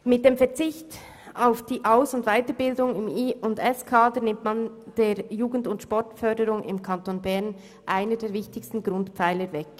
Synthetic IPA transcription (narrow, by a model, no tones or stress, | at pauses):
mɪt̚d̥eːmfɛɐt͡sɪçt | aʊfd̥iːʔaʊsʊndvaɪtəɾbɪldʊŋɪmiʊndɛskʰaːdənɪmtmand̥eːjuːɡən̩dʊntʃpɔɹtfœdəɾʊŋɪ̰mkʰɑntoːnbɛʁn | ʔaɪnədeːɾvɪçtɪçstn̩ɡɾʊntpp͡faɪləvɛk